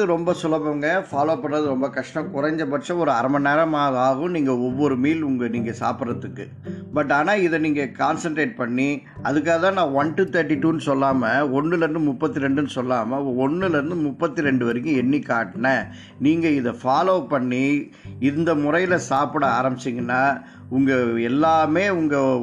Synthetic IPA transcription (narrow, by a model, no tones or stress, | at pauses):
ɯɾɔmbɐsʊlɐbɐŋɡɐfaːloːpɐɳːɾɐðɯɾɔmbɐkɐʂʈɐ̃mkʊɾɐɲd͡ʒɐpɐt͡ʃːɐ̃ɔɾɯɐɾɐmɐneːɾɐmaːðaːɣɐʊ̃niːŋɡɐɔʋːɔɾɯmiːlʊŋɡɐniːŋɡɐsa̰ːpɪɾɐt̪ːɯkːɯ | bɐʈ̬ːaːnaːɪðɛniːŋɡɐkaːnsɐɳʈɾeːʈ̚pɐɳːi | ɐðɯk̬ːaːɣɐt̪ãːnãːʋɐnʈut̪ɐɾʈːiʈːuːnɯsɔlːaːmɐɔɳːɯlɐɾɯnd̪ɯmʊpːɐt̪ːɪɾɛɳɖɯnɯsɔlːaːmɐɔɳːɯlɐɾɯnd̪ɯmʊpːɐt̪ːɯɾɛɳɖɯʋɐɾɯkɯ̃ɛɳːikaːʈːɐnɐ | niːŋɡɐɪðɐfaːloːpɐɳːi | ɪnd̪ɐmʊɾɐjɪlɐsaːpɪɽɐaːɾɐmbɪt͡ʃːɪŋɡɐnːaː | ʊŋɡɐɛlːaːmeːʊŋɡɐ